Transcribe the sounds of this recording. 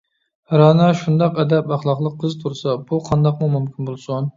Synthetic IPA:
ɾɑnɑʃund̪ɑqɛd̪ɛpɑχlˠɑqlˠəqʰːəzt̪ʰuɾsɑbuqʰɑnd̪ɑqmumymkʲinbolˠsun

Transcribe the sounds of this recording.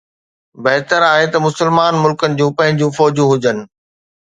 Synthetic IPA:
bɐɦt̪əɾaːɦet̪ɐmʊsəlmaːnmʊlkənɪ̆d͡ʑũːpɐ̃ɦɪ̃ɲd͡ʑũːfɔːd͡ʑũɦʊd͡ʑənɪ̆

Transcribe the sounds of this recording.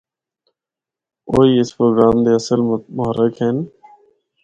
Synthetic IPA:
oːiːɪspɾoːɡɾaːmd̪eːəsəlmʊɦəɾːɪkɦeːn

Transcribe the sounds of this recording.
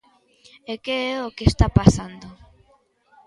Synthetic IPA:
ekeɛokest̪apasand̪o

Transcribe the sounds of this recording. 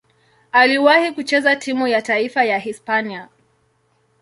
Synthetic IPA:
aliwahikut͡ʃɛzatimujataifajaɦispania

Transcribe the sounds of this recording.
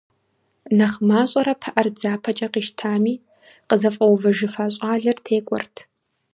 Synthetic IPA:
nɐχmaːɕʼɐɾɐpʰɐʔɐrd͡zaːpʰɐt͡ʃʼɐqiːʃtʰaːmiː | qəzɐfʼɐwvɐʒɪfaːɕʼaːɮɐrtʰeːkʷʼɔ̰rtʰ

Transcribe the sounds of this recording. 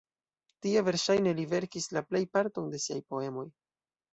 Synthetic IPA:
tieve̞ɾʃajne̞live̞ɾkislaple̞jpaɾto̞nde̞siajpo̞e̞mo̞j

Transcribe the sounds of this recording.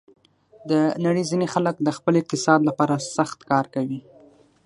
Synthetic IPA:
d̪ənaɽəjzinexaləkd̪əxpəlɪq̚t̪ɪsɑd̪lapɑɾasaxt̪kɑɾkawi

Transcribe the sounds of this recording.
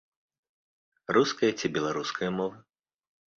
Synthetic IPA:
ruskɐjɐt͡sʲibʲɛlˠaɾuskʰɐjɐmɔvɨ

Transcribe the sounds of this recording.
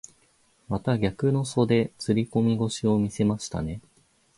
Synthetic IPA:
mat̪aɡʲakɯ̟no̞so̞d̪e̞t͡sɨɾʲiko̞mʲiɡo̞ɕio̞mʲise̞maɕi̥t̪a̰ne̞

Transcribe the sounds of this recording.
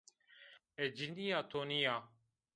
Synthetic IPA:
eːd͡ʒɪnd̪iːjaːt̪ʰoːniːaː

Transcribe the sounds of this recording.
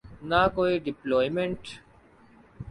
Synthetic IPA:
nakoːiɖɪplɔːjmẽɳʈ

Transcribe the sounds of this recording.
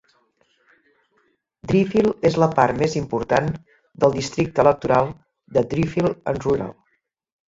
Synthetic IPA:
d̪ɾifilˠezləpaɾmezimpuɾt̪an | d̪əlˠd̪ist̪ɾik̚t̪ələk̚t̪uɾalˠ | d̪əd̪ɾifilənruɾa̰lˠ

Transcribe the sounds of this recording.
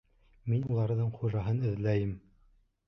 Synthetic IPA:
minulˠɑɾðɤɴχuʒɑɦɤnɘ̆ðlæjɘm

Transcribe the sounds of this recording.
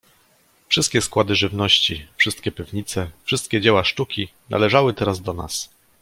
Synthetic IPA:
fʂɘst̪kʲɛskwad̪ɘʐɘvnɔɕt͡ɕifʂɘst̪kʲɛpʲivɲit̪sɛfʂɘst̪̚kʲɛd͡ʑɛwaʂt̪ukʲinʔa̰lɛʐawɘt̪ɛɾazd̪ɔna̰s

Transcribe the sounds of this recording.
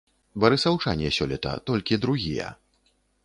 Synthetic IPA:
bɐɾɨsɐwt͡ʂa̰nʲɛsʲɔlʲɛt̪ɐ̰t̪ɔlʲkʲid̪ɾuɣʲijɐ̰

